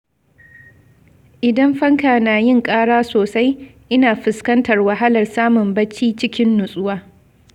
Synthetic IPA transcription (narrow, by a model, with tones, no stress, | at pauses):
ʔɪ˨dɐ˦mɸɐ˦ŋkaː˨naː˨jɪ˦˨ŋkʼaː˦ɽaː˦soː˨sa˦jʔɪ˦naː˨ɸɪ˨skɐ˦ntɐ˨rwɐ˨ɦa˦lɐ˨rsaː˦mʊ˨mbɐ˦t͡ʃiː˦t͡ʃɪ˦kʲɪ˦nːʊ˨sʼʊ˦waː˦